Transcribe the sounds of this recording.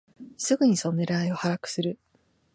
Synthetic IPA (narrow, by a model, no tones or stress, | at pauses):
sɨɡɯ̟ɲ̟iso̞noneɾɯaio̞haɾakɯ̟̥sɨɾɯ̟